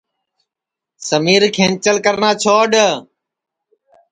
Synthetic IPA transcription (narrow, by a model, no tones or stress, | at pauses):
səmiːɾkʰẽːnt͡ʃəlkəɾnãːt͡ʃʰoːɖə